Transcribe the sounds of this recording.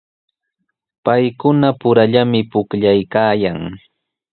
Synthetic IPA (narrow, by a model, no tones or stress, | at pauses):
pajkʊnapʊɾaʎamɪpʊkʎajkaːjaŋ